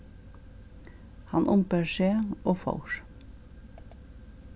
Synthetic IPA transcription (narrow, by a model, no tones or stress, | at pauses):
hɑnʔʊmpəʃeːoːfɑ̰ʊʃ